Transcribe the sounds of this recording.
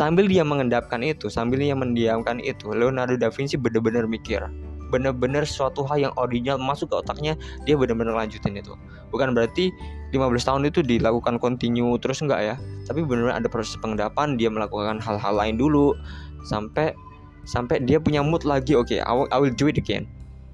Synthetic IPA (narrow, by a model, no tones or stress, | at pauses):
sambɪldiaməŋəndap̚kanit̪usambɪlɲajaŋməndiamkanḭt̪ulonadudafinsɪbənərbənərmikɪ̰rbənərbənərsuat̪uɦaljaŋʔordinalmasʊkːəot̪ak̚ɲadiabənərbənərlaɲd͡ʒut̪ɪnit̪ṵ | bukanbəɾart̪ilimabəlast̪aɦʊnit̪udilakukankont̪iɲut̪əɾʊsŋɡa̰ʔjat̪apibənərbɲʔa̰dapɾosɛ̥spəŋədapandiaməlakukanɦalɦalːaɪndulusampɛ | sampɛdiapuɲamʊt̪̚laɡiokḛa̰ʔawɪld͡ʒuɪdkɛ̰n